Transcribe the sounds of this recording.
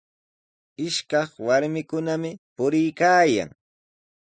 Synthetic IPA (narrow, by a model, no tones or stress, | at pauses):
ɪʃkɑχwaɾmɪkʊnamɪpʊɾɪjkaːja̰ŋ